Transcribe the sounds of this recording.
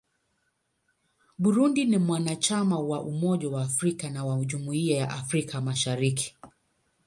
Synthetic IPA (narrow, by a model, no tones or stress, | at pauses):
ɓuɾundinimwanat͡ʃamawaʔumɔʄawaːfɾikanawaʄumuiajaʔafɾikʰamaʃaɾiki̥